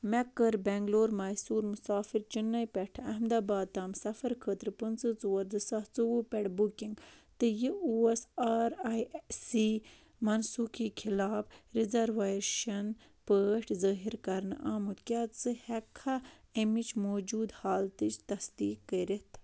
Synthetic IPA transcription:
mekːɐɾbeŋɡloːɾmɐːsuːɾmusaːfiɾt͡ʃinːɐjpʲɛʈʰɐɦmd̪aːbaːd̪̚t̪aːmsɐfɐɾkʰəːt̪ɾpɨnt͡sɨt͡sowɐɾzɨsɐht͡sɨwupɛɽbukiŋɡt̪ɨjiuesaːɾajsi | mɐnsuːkiːkʰilaːbɾizɐɾʋeːʃɐn | pəːʈʰzəːɦiɾkɐɾnɨʔaːmut̪kʲaːt̪t͡sɨhɛkʰːaemit͡ʃmoːd͡ʒuːd̪haːlt̪ɨt͡ʃt̪ɐsd̪iːkːəɾit̪ʰ

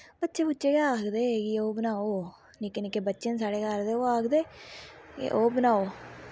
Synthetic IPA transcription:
bətːʃeːpʊtːt͡ʃeːkaaːkd̪eːɡioːbənaːoː | nikenikːebətːt͡ʃens̬aːɽeːkəɾd̪eːoːaːkd̪ḛː | ʔoːbənaːoː

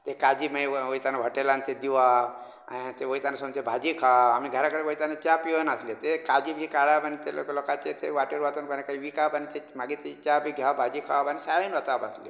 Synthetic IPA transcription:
t̪ekad͡ʑimaeʋəjt̪anʋʱəʈelant̪ed̪iʋa | a̰nit̪eʋəjt̪anasəmt̪ebʱad͡ʑikʰaamiɡʱəɾakəɽeʋəit̪anet͡ɕapiənaslet̪ekad͡ʑibikaɽabanit̪el̰klokat͡ʃet̪ʰeʋaʈəɾʋat̪unpənekaiʋikabanit̪emaɡit̪et͡ʃabʱiɡʱjabʱad͡ʑikʰabanisajənʋət̪abat̪li

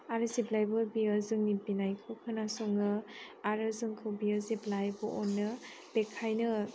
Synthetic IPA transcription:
aɾɯziblajbɯbiazɯŋnibinajkʰɯkʰɯnasɔŋɯaɾɯzɯŋkʰɯwbiəziblajbɯʔɔnːɯ | b̥ekʰajnɯ

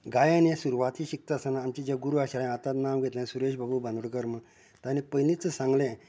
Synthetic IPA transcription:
ɡajanesuɾuʋat̪ʰiɕik̚t̪asanaːmt͡ɕid͡ʑaɡuɾuaɕaɭj̃at̪at̪namɡʱet̪lẽsuɾeɕbabubə̃nd̪əɽkəɾmə | t̪anẽpəjlit͡səsãŋɡlẽ

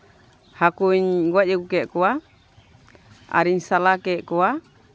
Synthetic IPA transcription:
hakuɲɡuad͡ʒɛɡukɛʔkɔa | a̰ɾiɲsalakɛʔkɔwa

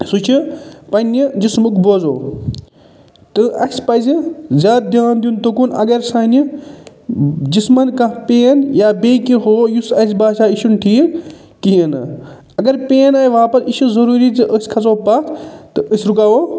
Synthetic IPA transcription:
sut͡ʃʰipɐnʲid͡ʒismukboːzo̰ː | t̪ɨʔɐsʲpɐzizʲaːt̪̚d̪ʲaːnd̪ijunt̪okunɐ̰ɡɐɾsaːni | d͡ʒismɐnkãpeːnjaːbeːkiɦoːjusɐsʲbaːʃaːiʃunʈʰiː | kijɐnɨ | ɐɡɐɾpeːnɐʋaːpɐsiʃuzɐɾuːɾit͡sɨʔəsʲkʰɐt͡soːpaːt̪ʰt̪ɨʔəsʲɾukaːʋoː

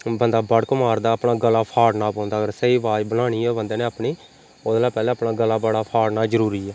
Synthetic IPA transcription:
bənd̪aːbəɽkəmaːɾd̪aːəpnaːɡəlːaːpʰaːɽnaːpɔ̃ːnd̪aːɡəɾsəiːʋaːd͡ʒbənaːɽ̃iːɛːbənd̪eːneːaːpɳiː | od̪laːpɛːlɛ̃ːəpnaːɡəlːaːbəɽaːpʰaːɽnaːd͡ʒəɾuːɾiːɛː

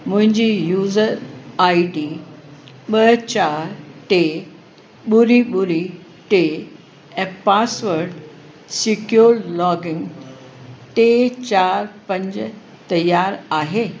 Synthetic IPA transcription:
mʊ̃ɦɪ̃ɲd͡ʑiːjuːzəɾaːiɖi | ɓɐt͡ɕaːɾʈe | ɓʊɾiɓʊɾi | ʈe | ɛ̃ːpaːsʋəɾɖ | sɪkjoːɾlɔːɡɪ̃ŋɡ | ʈet͡ɕaːɾpɐ̃ɲd͡ʑ | t̪ɐjaːɾaːɦeː

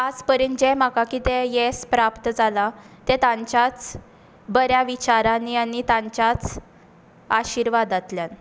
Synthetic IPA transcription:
ad͡zpəɾəːnd͡ʑem̤akakit̪ejespɾapt̪əd͡zala | t̪et̪ãɲt͡ɕat͡s | bəɾjaʋit͡ɕaɾanianit̪ãɲt͡ɕjat͡s | aɕiɾʋad̪at̪ljan

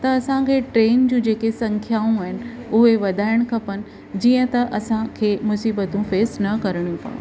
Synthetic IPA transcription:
t̪ɐɐsãkʰeʈɾeːnd͡ʑũːd͡ʑeːkesɐ̃ŋkʰjaːũaːɦɪnɪ̆ | ʊɦeʋɐd̪ʱaːɪɽ̃kʰɐpənɪ̆ | d͡ʑiːə̃t̪ɐʔɐsãkʰeːmʊsiːbət̪ũfeːsnɐkɐɾɽ̃jũpa̰ːṵ̃

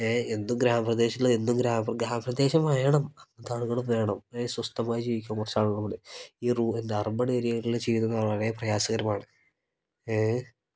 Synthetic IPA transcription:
eːe̞nːumɡɾaːmɐprɐd̪e̞ːɕɐilːɐenːumɡɾaːmɐpɡɾaːmɐprɐd̪e̞ːɕɐmaːjɳɐmɐmːɐd̪aːɭuɣɐɭumʋeːɳɐmeswɐst̪ɐmaːjd͡ʑiːʋikʲːuaɐmkurɐt͡ɕːaːɭulːɐpoɽeiːruend̪eɐrbɐɽeːɾijɐŋɐɭilet͡ɕejuunːɐɐɾeːprɐjaːsɐɣɐɾɐmaːɳɨ | e

